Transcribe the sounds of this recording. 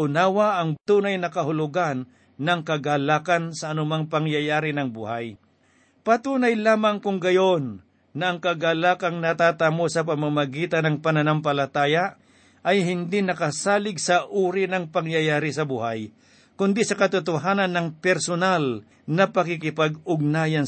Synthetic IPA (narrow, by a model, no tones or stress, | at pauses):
ʊnaːwɐʔɐŋt̪uːnɐjnɐkɐɦʊlʊɡanː | ɐŋkɐɡalaːkɐnsɐːnʊmaŋpɐŋjajaːɾɪnɐŋbuhaj | pɐt̪uːnɐjlaːmɐŋkʊŋɡɐjonː | ɐʔɐŋkɐɡalaːkɐŋnɐt̪at̪amosɐp̬ɐmamɐɡiːt̪ɐnɐŋpɐnɐnamp̬ɐlɐt̪aːja | ʔɐjɦɪnd̪inɐkɐsaːlɪɡsɐʔuːɾɪnɐŋpɐŋjajaːɾɪsɐbuhaj | kʊnd̪isɐkɐt̪ʊt̪ʊɦaːnɐnːɐŋpɛɾsonal | nɐpɐkɪkɪpaɡʊɡ̚naːjɐn